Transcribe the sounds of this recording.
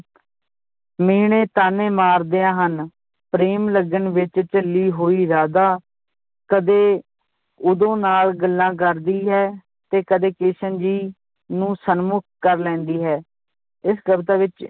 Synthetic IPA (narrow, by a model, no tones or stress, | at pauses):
meːɽ̃ẽːt̪aːneːmaːɾd̪eːãːɦən | pɾeːmləɡənʋɪt͡ʃt͡ʃəlːiːɦoːiːɾaːd̪aː | kəd̪eː | ʊd̪õːnaːlɡəlːãːk̬əɾd̪iːɦɛː | t̪eːkəd̪eːkeːʃənd͡ʒiː | nũːsənmʊk̚ʰkəɾlɛ̃ːnd̪iːɦɛː | ɪsɡəbt̪aːʋɪt͡ʃ